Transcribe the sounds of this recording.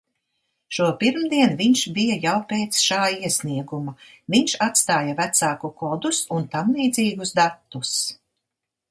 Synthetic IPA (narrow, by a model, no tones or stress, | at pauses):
ʃuɔpiɾmd̪iɛnviɲʃbijajawpeːt̪sʃaːiɛsniɛɡuma | viɲʃat̪st̪aːjavæt̪saːkukɔd̪usunt̪amlˠiːd̪ziːɡusd̪at̪ːus